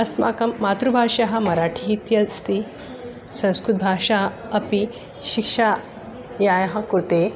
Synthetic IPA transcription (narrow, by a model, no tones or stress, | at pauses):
ɐsma̰kɐmːat̪ɾubʱaʂaɦɐmɐɾaʈʰiit̪jɐst̪i | sɐ̃w̃skɾut̪̚bʱaːʃa | ɐpi | ɕikʂa | jajɦãkuɾt̪e